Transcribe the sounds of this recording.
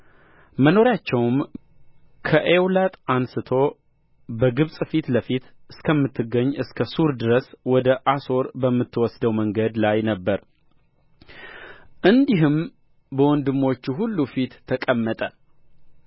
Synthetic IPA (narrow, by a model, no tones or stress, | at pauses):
məno̞ɾjat͡ʃːɛwm | kʰəʔewlat̪ʼansɨt̪ʰo̞ | bəɡɨβsʼfit̪ləfit̪ɨskʰəmːɨt̪ʰːɨɡːəɲːɨskʰəsuɾd̪ɨɾəswɔd̪əʔaso̞ɾbəmːɨt̪ːwɔsd̪əwməŋɡəd̪lajnəbːəɾ | ʔɨnd̪iɦɨm | bəwɔnd̪ɨmːo̞t͡ʃːuɦulːufit̪ʰːəkʼəmːət̪ʼə